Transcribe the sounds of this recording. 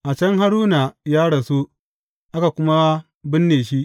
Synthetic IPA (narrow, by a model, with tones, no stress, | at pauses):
ʔa˨t͡ʃɐ˦ŋɦa˦ɽuː˦na˨jaː˦ɽɐ˨su˦ | ʔa˦ka˨kʷʊ˦ma˦ | bɪ˦nːeː˨ʃ̬i˦ʔ